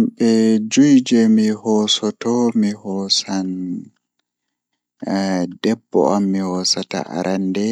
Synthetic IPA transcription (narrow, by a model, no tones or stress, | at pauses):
mɓɛd͡ʒujd͡ʒɛmihɔsɔtɔmihɔsan | dɛbːɔ̰amːihɔsata̰ʔa̰ɾʔandɛ